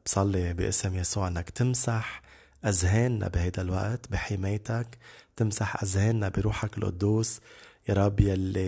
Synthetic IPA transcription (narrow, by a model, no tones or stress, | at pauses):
b̥sˤɑlːibɪ̰ʔɪsmjasuːʕʔɪnːakt̪ɪmsaħ | ʔazɦeːnːa̰bihajd̪alwaʔt̪biħɪmeːjt̪akt̪ɪmsaħʔazheːnːabiɾuːħakɪlʔʊ̰d̪ːuːsjɑɾˤɑbːjalːi